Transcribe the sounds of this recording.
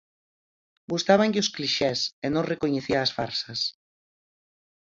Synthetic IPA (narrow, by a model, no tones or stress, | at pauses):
bust̪aβaŋʎɪʊskliʃɛsenõŋrekoɲeθiaːsfaɾsɐs